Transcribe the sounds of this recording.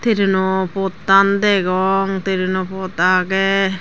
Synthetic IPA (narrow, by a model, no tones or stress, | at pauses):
t̪iɾinɔpɔt̪and̪ɛɡɔŋt̪iɾinɔpɔt̪aɡɛ